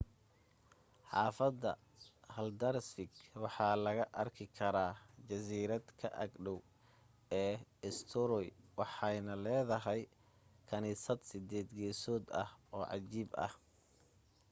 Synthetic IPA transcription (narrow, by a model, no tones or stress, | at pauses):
ħɑːfɐd̪ɐ | hɐld̪ɐrsɪɡwɑħɑːlɐɣɐʔɐrkʰɪkʰɐɾaːd͡ʒɐsiːɾɐd̪kʰɐʔɐ̰ɡɖɔw | ɛːɪst̪ʰɔɾɔjwɑħɑjnɐlɛːðɐɦɛj | kʰɐniːsɐd̪sɪd̪ɛːd̪ɡɛːsɔːd̪ɐ̰hɔːʕɑ̰t͡ʃiːbɐ̰h